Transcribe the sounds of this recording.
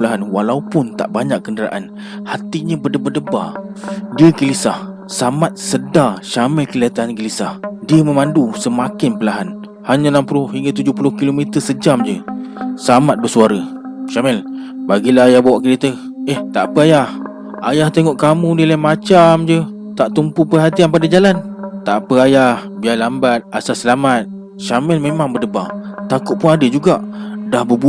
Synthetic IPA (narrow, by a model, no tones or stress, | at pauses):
əlaɦanwalaupʊnt̪a̰ʔbaɲakːəndəɾa̰ʔan | hat̪iɲəbədəbadəba̰diəɡəlisah | samat̪̚sədaʃamɛlkəlat̪aankəlisahdiəməmandusəmakɪnpəlaɦan | haɲənampulʊhhiŋɡat̪ud͡ʒʊhpulʊhkilomit̪əsəd͡ʒamd͡ʒəsamat̪̚bəsuaɾə | ʃamɛl | baɡilaɦajahbawaʔkəɾit̪ə | eht̪aʔpəajah | ajaht̪eŋɔʔkamũdilamat͡ʃamd͡ʒə | t̪aʔt̪umpupərɦat̪ianpadad͡ʒalant̪aʔpəajahbiajlambat̪̚asasəlamat̪̚ | ʃamɛlmemaŋbədəba̰ŋt̪akʊʔ̪̚pʊnadəd͡ʒuɡaʔdahbəbu